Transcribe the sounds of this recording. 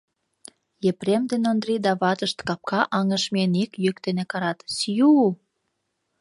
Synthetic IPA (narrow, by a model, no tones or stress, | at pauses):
jepremd̪enond̪rid̪ɑβɑt̪əʃt̪kɑp̚kɑʔɑŋəʃmenikjøkt̪enekɑɾɑt̪sju